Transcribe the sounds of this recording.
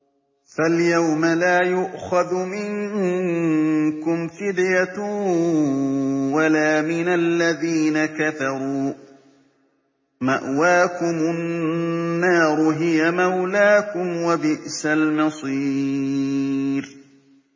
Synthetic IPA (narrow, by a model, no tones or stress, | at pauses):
faljawmalaːjʊʔxaðmɪŋ | kʊmfɪd̪jat̪ʊ | walaːmɪnalːaðiːnakaθɑɾˤuː | ma̰ʔwaːkʊmʊnnːaːɾˤʊɦɪjamawlaːkʊmwabɪʔsalmɨsˤiː | ɾ